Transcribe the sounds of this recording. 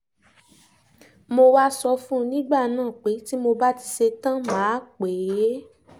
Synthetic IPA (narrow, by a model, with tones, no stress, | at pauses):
mo˧wa˦sɔ˧fũ˦˧nĩ˦ɡ͡ba˦˨nãː˦˨k͡pe˨˦ti˦mo˧ba˦ti˧se˧tã˦mãː˨˦k͡pe˨˦j